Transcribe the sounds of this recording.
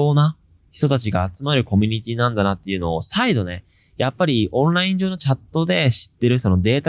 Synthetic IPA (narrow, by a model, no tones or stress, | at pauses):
oːna | çi̥t̪o̞t̪at͡ɕiɡaːt͡sɨmaɾɯ̟ko̞mʲiɲ̟it̪ʲinãnd̪anat̪ːe̞jɯ̟no̞ːsaid̪o̞ne̞ | japːaɾʲiõ̞nɾaĩɲ̟d͡ʑo̞ːno̞t͡ɕat̪ːo̞d̪e̞ɕi̥t̪ːe̞ɾɯ̟so̞no̞d̪e̞ːt̪a